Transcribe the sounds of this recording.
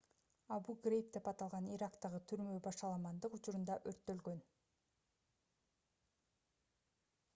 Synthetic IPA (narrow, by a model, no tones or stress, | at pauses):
ɑbuɡrʲejp̚d̪e̞pɑt̪ɑlˠʁɑniɾakt̪ɑʁɯt̪ʰyɾmø̞bɑʃɑlˠɑmɑnd̪ɯqʊt͡ʃʊɾund̪ɑʔøɾt̪ːø̞lɡø̞n